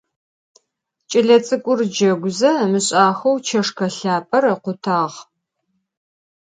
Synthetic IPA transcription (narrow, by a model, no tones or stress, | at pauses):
t͡ʃʼɪɮɐt͡sʼɨkʷʼʊrd͡ʒɐɡʷʊzɐmɨɕʼaːxɐwt͡ʃʰɐʂkʰɐɬaːpʼɐrɐqʷʊtʰaːʁ